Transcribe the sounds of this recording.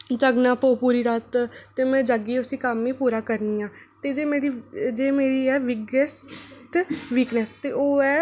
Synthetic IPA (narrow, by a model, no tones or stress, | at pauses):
d͡ʒəɡnãːpoːpuːɾiːɾat̪t̪ːeːmɛ̃ːd͡ʒaɡiːʊsiːkamĩːpuːɾaːkəɾniːãːt̪eːd͡ʒeːmeːɽiːd͡ʒeːmeːɽiːɛːʋɪɡəsʈʋiːknɛst̪eːoːɛː